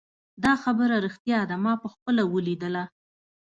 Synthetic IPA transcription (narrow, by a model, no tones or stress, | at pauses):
d̪ɑxabəɾaɾixt̪jɑd̪amɑpəxpəlawəlid̪əla